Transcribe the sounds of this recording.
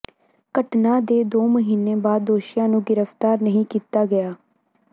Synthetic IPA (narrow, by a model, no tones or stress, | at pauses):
kəʈnãːd̪eːd̪oːməɦiːneːbaːd̪ːoːʃɪjãːnũːɡɪɾəft̪aːɾnəɦĩːkiːt̪aːɡəjaː